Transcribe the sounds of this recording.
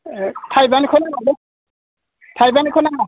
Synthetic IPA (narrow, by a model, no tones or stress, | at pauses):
tʰajbanikʰɔnaale | tʰajbankʰɔnaa